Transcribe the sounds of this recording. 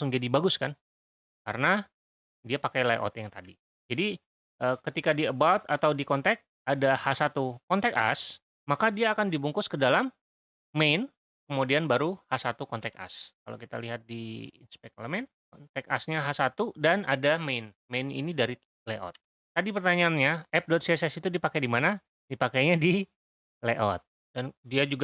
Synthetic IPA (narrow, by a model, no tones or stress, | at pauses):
sʊŋd͡ʒadibaɡʊskan | kaɾəna | diapakajleʔɔ̰t̪jaŋt̪adi | d͡ʒadi | ʔəːkət̪ikadiəbawt̪a̰t̪awdikɔnt̪ɛk̚ | adahasat̪ukɔnt̪ɛka̰s | makadiaːkandibuŋkʊskədalamː | ejn | kəmodianbaɾuhasat̪ukɔnt̪ɛka̰skala̰wkit̪a̰liɦat̪̚diḭnspɛk̚ləmɛn | kɔnt̪ɛk̚a̰sɲaɦasat̪udanadamejn | mejnḭnidaɾi | leʔɔ̰t̪̚ː | adipərt̪aɲaːnɲaɛp̚dɔt̪̚siɛsɛsit̪udipakajdimana | dipakajɲadi | leʔɔt̪̚ | dandiad͡ʒuɡa